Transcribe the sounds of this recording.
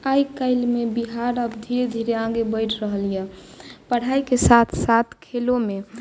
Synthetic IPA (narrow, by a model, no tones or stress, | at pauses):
ajkəɪlmebiɦaɾəbd̪ʱiɾed̪ʱiɾeãɡebəɪʈʰɾəɦəljɛpəɽ̤aikesat̪ʰsat̪ʰkʰelome